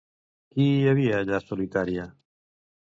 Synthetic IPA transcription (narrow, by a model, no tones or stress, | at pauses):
kiaβiaʎasolit̪aɾja